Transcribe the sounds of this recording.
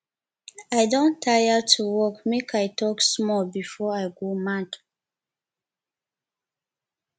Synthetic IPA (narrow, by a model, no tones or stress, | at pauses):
ajdõntʰːajətʰuwɔkmekʰajtʰɔksmɔlbifɔajɡomãt